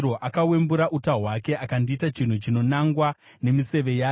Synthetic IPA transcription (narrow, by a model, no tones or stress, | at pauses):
o̞ʔakawe̞mbuɾaʔutaɦwake̞ʔakandiːtat͡ʃin̤ut͡ʃino̞naŋɡwa | ne̞mise̞ʋe̞jaː